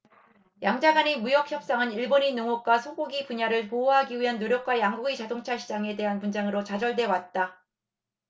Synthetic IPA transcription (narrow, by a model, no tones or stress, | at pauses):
jaŋd͡ʑaɡaɲimujʌk̚çjʌp̚s͈aŋɯniɭboninoŋok̚k͈wasʰoɡoɡipuɲaɾɯɭpooɦaɡiɥiɦanːoɾjʌk̚k͈wajaŋɡuɡit͡ɕadoŋt͡ɕʰaɕʰid͡ʑaŋe̞de̞ɦanpund͡ʑaŋɯɾot͡ɕad͡ʑʌɭdwe̞wat̚t͈a